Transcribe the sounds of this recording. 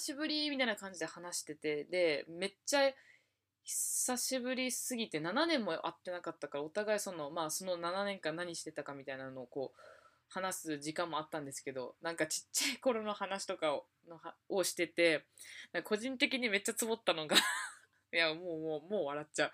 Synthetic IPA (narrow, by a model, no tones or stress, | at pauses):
aɕibɯ̟ɾʲimʲit̪ainakãɲ̟d͡ʑid̪e̞hanaɕi̥t̪e̞t̪e̞d̪e̞me̞t͡ɕa | çi̥saɕibɯ̟ɾʲisɨɡʲit̪e̞nananẽ̞mːo̞ʔa̰t̪ːe̞nakat̪ːakaɾao̞t̪aɡaisõ̞no̞maːso̞no̞nananẽ̞ŋkãnːaɲ̟iɕi̥t̪e̞t̪akamʲit̪ainano̞ːko̞ː | hanasɨd͡ʑikãmːoat̪ːãnd̪e̞sɨ̥ke̞d̪o̞̰nãŋkat͡ɕi̥t͡ɕːaiko̞ɾo̞no̞hanaɕi̥t̪o̞ka | nohaoɕi̥t̪e̞t̪e̞nãkkʰo̞ʑĩnt̪e̞k̬ʲiɲ̟ime̞t͡ɕːat͡sɨbo̞t̪ːano̞ɡa | jamoːmoːmo̞ːβaɾatt͡ɕa